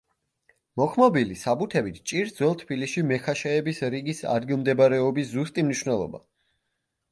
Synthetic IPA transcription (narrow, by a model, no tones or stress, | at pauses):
mɔkʰmɔbilisabut̪ʰɛbit̪ʰt͡ʃʼiɾd̪zwɛlˠt̪ʰbilisʃimɛkʰaʃɛɛbisɾiɡisa̰d̪ɡilˠmd̪ɛbaɾɛɔbiszust̪ʼimniʃwnɛlˠɔ̰ba̰